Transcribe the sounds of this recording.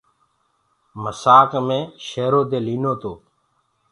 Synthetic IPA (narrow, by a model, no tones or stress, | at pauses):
məsaːkmẽːʃeːɾoːd̪eːliːnoːt̪oː